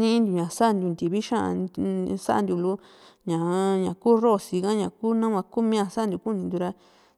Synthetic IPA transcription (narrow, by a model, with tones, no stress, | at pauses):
nĩ˦nd̪u˨ɲã˨sa˦ʔnd̪u˧nd̪i˨βi˦ʃã˦ʔsa̰˦ʔa̰˧nd̪u˧˨lu˧˦ | ɲã˨ɲã˨kuː˦ro˦˨si˧kã˦ɲã˨kuː˦nã˦wã˧ku˦mĩ˦ã˧sa˦˧nd̪u˧˨ku˦˧nĩ˧nd̪u˧ɾa˧